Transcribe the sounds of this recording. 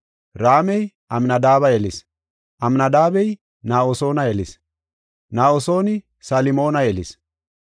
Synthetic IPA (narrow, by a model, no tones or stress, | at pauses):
ɾaːmɛj | ʔɐmnɐd̪aːβɐjɛlɪs | ʔɐmnɐd̪aːbɛj | naːoso̞ːnɐɛlɪs | naːoso̞ːnɪ | salɪmoːnɐɛlɪs